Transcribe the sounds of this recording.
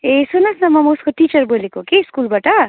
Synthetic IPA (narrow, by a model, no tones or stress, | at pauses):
esunɐsnɐmɐmuskoʈit͡ʃəɾbolikokiskulbaʈa